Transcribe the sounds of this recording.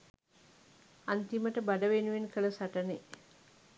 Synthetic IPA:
ant̪iməʈəbadəʋenuʋenkʰələsaʈəne

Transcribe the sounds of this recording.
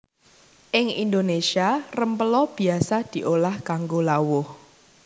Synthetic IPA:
ʔɪŋḭnd̪onesiarəmpəlɔb̥i̤asad̪̥i̤ʔolahkaŋɡolawʊh

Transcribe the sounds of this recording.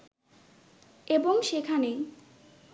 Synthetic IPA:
eboŋʃekʰane

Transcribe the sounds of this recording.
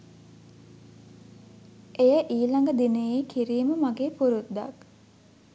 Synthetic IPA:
ʔejəʔiːlaŋɡəd̪inejeːkʰiɾiːməmaɡeːpuɾud̪a̰k

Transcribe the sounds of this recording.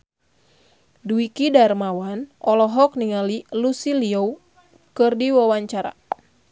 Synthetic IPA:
duikidarmawanɔlɔɦɔk̚niŋalilusiliɔw | kɨrdiwawaɲt͡ʃaɾa̰

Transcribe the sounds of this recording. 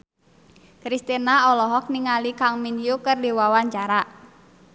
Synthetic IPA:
kɾist̪inaɔlɔɦɔk̚niŋalikaŋminjukərdiwawaɲt͡ʃaɾaʔ

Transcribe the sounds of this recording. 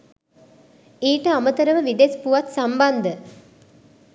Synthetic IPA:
iːʈəamət̪əɾəʋəʋid̪espuʋat̪samband̪ə

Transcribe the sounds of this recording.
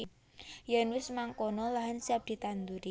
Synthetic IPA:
janwɪsmaŋkonɔlaɦansiap̚d̪̥i̤t̪and̪uɾi

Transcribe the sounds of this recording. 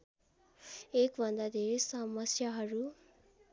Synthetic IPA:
ekbʱʌnd̪ad̪ʱeɾesʌmʌsjaɦʌɾu

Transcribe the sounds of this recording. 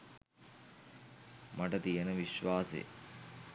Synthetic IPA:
mɐʈɐt̪ijɐnəʋiʃʋaːsḛ

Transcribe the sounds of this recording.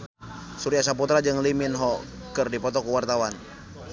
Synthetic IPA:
suɾiasaput̪ɾad͡ʒɨŋliminɦɔ | kɨrdipɔt̪ɔkuwart̪awan

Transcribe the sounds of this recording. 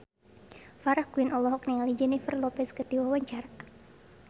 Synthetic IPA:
faɾahkuwinʔɔlɔɦɔk̚niŋalid͡ʒɛnifərlɔpɛskəd̥iwawaɲt͡ʃaɾa

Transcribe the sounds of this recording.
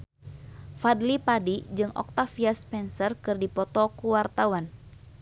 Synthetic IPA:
fad̪lipadid͡ʒɨŋɔ̰k̚t̪afiaspɛnsərkɨrdipɔt̪ɔkuwart̪awan

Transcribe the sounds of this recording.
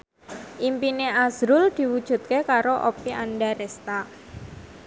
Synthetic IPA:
ʔimpineazɾʊld̪̥i̤wud̥ʒ̥ṳt̪̚kekaɾoʔɔ̰piʔanɖaɾɛst̪a

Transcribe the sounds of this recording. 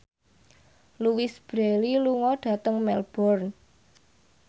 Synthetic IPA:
luwɪsb̥ɾeliluŋɔɖ̥ä̤t̪əŋmɛlb̥ɔrn

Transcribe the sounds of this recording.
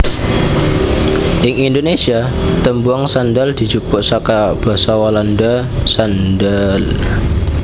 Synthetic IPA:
ʔɪŋindonesia | t̪əmbuaŋsandəld̪̥i̤t͡ʃukʊrsakab̥a̤sawalanda | sandəl

